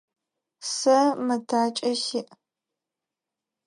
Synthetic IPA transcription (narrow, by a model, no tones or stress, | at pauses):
sɐmɨtʰaːt͡ʃʼɐɕɪʔ